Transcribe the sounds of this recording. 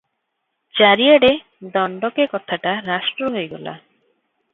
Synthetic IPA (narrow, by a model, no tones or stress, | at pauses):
d͡ʑaɾiaɽe | d̪ɔɳɖokekɔt̪ʰaʈaɾaʃʈɾoɦoeɡɔ̰la̰